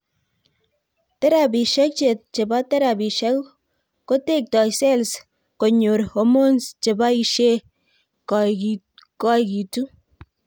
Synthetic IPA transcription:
tɛ˦ɾa˨bi˨ʃɛ˦k̚t͡ʃe˨t̚t͡ʃe˨ba˦tɛ˦ɾa˨bi˨ʃɛ˦k | ko˦te˦˨k̚tɔ˨jsɛ˦ls | ko˨ɲo˨ɾho˨mo˦nst͡ʃe˨ba˦i˦ʃe˦ | k | kɔ˦ki˨tu˦

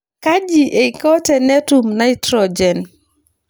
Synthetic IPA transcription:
ka˦d͡ʒi˨ʔe˨i˨kɔ˦tɛ˨nɛ˦tu˨mna˦i˦tɾɔd͡ʒɛ˨n

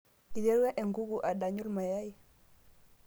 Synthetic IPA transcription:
i˨lɛ˦ɾwɛ˦ʔɛ˨ŋɡu˦ɡuʔa˨ɗa˨ɲu˦lma˨ja˦i˨

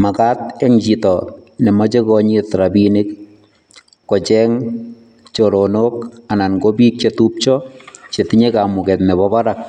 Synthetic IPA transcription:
ma˨ka˦tɛ˦ŋd͡ʒi˨tɔ | nɛ˨ma˦t͡ʃe˦kɔɲitɾa˨bine˦k | ɔ˨t͡ʃɛ˦ŋ | t͡ʃoɾonoka˨na˨nko˦bi˦k̚t͡ʃetup̚t͡ʃɔ˦t͡ʃe˨ti˦ɲe˦kamʊ˨kɛ˨tnɛ˨bɔ˦ba˦ɾa˨k̚

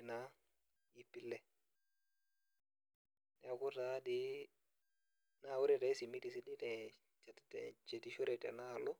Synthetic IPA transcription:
na˦ | ji˨pːi˦lːɛ˨ | nɛ˨a˨ku˦ta˦di˦ | na˦˨wu˦ɾe˦˨te˨˦si˨mi˦ti˨si˦di˦tɛ˨ | t͡ʃa˨ttḛ˨t͡ʃe˨ti˦ʃu˦ɾe˨tɛ̰˨na˦˨lu˦

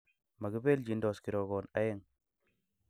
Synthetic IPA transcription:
ma˨ɡi˦be˦ld͡ʒi˨ndo˨ski˨ɾo˨ɡo˨na˦je˦ŋ

